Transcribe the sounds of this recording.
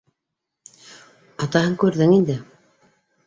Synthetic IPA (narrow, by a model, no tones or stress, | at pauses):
ɑt̪ɑhɤŋkʉɾðɘŋind̪ɘ